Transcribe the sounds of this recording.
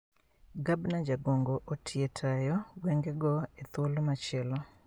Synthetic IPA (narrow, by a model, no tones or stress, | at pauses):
ɡabnad͡ʒaɡoŋɡoʔotʰɪetʰajɔɡwɛŋɡɛɡɔet̪wolomat͡ʃɛlɔ